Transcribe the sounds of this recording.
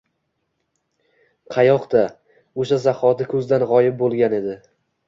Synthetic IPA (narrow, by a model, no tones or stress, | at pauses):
qʰɑjɒqd̪a | oʃazaχɒt̪ɪkʰɵzd̪anʁɒjɪp̚bolˠɡʲane̞d̪ɪ